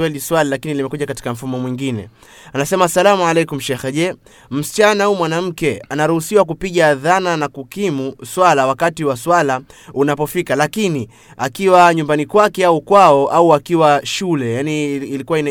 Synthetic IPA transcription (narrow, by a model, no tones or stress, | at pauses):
wɛliswalilakinilimɛkuʄakati̥kam̩fumɔmwiŋɡinɛ̰ | anasɛmasalamualɛjkum̩ʃɛxɛʄɛ | m̩si̥t͡ʃanahuːmwanam̩kɛanaɾuhusiwak̬upiɠaðananakukimuswalawakatiwaswalaunapɔfikalakini | akiwaɲumbanikwakɛaukwaɔʔauakiwaʃulɛjaniːlikuwain